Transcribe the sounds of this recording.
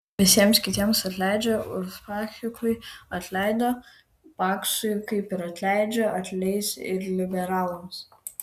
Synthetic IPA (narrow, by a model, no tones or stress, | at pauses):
ʋʲɪsʲiɛmskʲɪt̪ʲiɛmsɐt̪ʲlʲæˑɪd͡ʒʲɛʊspɑxʲɪkʊɪɐt̪ʲlʲɛˑɪd̪oː | pɑːksʊjkɐɪpɪɾɐt̪ʲlʲæɪd͡ʒʲɛɐt̪ʲlʲɛɪsɪɾlʲɪbʲɛɾɑːlˠʊms